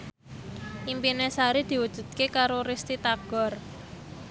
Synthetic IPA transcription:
ʔimpinesaɾid̪̥i̤wud̥ʒ̥ṳd̪̥̚kekaɾoɾist̪it̪aɡ̥ɔ̤r

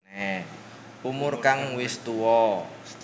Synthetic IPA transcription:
e | umʊrkaŋwɪst̪uwɔ

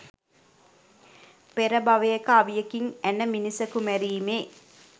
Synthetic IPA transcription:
peɾəbaʋejekəaʋijekiŋænəminisəkumɛɾiːmeː

